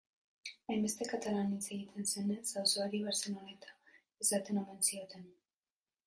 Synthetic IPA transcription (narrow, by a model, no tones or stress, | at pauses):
ajmbe̞st̪e̞kat̪alanit͡se̞ɣit̪ʰe̞nse̞nesawsoaɾiβeɾse̞no̞ne̞t̪ḁ | esat̪e̞nome̞nsio̞t̪e̞n